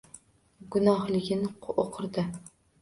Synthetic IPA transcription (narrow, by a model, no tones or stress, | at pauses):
ɡʊnɒhlˠɪɡʲɪnoqʰɨɾd̪ɪ